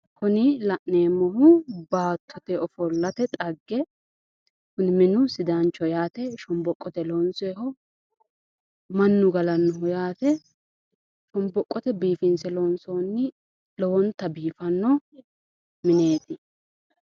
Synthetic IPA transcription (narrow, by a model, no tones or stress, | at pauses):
hʊnɪlɐʔneːmɔhʊbaːt̪ʰːɔt̪ɛʔɔfɔlːɐt̪ɛt̪ʼɐɡːɛ | hʊnɪmɪnʊsɪd̪ant͡ʃːɔjaːt̪ɛʃɔmbɔkʼːɔt̪ɛloːnseːɦɔ | mɐnːʊɡɐlɐnːɔɦɔjaːt̪ɛ | ʃɔmbɔkʼːɔt̪ɛbiːfɪnsɛloːnsoːnːɪ | lɔwɔnt̪ːɐbiːfɐnːɔ | mɪne̞ːt̪ɪ